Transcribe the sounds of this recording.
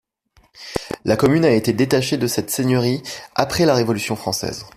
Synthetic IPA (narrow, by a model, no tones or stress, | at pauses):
lakɔmynaet̪ed̪et̪aʃed̪əsɛt̪seɲjəʁiapχɛlaʁevɔlysjɔ̃fχɑ̃sɛ̰ːz